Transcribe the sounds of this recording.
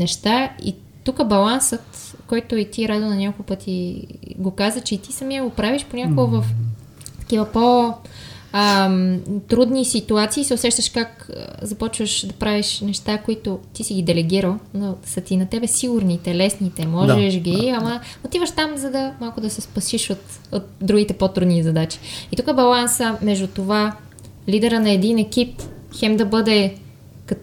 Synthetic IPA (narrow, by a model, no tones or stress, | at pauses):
nɛʃt̪aḭ | t̪ukəbɐlˠansət̪kɔjt̪ʊit̪iɾad̪onɐɲʲakookˠpɤt̪ʰiɡokazət͡ʃɛt̪i̥sɐmiəɡopɾaviʃponʲakoɡovəf | t̪ɐ̥kʲivəpo | ə | t̪ɾud̪nisit̪uat̪siːsɛʊsɛʃt̪ɐʃkakzɐpɔt͡ʃvəʃd̪ɐpɾaviʃnɛʃt̪akoit̪ot̪isiɡid̪ɛlɛɡiɾəlˠnosɐt̪inɐt̪ɛbɛsiɡʊɾnit̪ɛlɛsnit̪ɛmɔʒɛʃɡiɐmɐot̪ivɐʃt̪amzɐd̪ɐmalˠkʊd̪ɐsɛspɐsiʃot̪ | ot̪̚d̪ɾuɡ̟it̪ɛpot̪ɾud̪nizɐd̪at͡ʃi̥it̪ukəbɐlˠansəmɛʒd̪ut̪ova | lid̪ɛɾənɐɛd̪inɛkipxɛmd̪ɐbɤd̪ɛ | kɐ